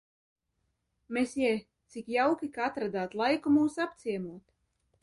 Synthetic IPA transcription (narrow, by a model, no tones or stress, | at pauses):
mesjɛ | t̪sikjawkʲikaat̪ɾad̪aːt̪lˠajkumuːsapt̪siɛmuɔt̪